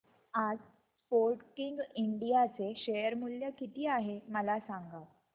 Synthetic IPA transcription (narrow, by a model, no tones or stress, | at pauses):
ad͡z | spoɾʈkiŋɡiɳɖijat͡seɕejəɾmuljəkit̪ʰiːaɦeməlasaŋɡa